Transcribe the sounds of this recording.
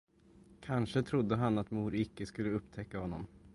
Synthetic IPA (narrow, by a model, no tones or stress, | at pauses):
kʰanʂət̪ʰɾʊd̪ːəɦanat̪muːɾɪkːəskɵlːəɵpːt̪ʰɛkːahɔnːɔ̰m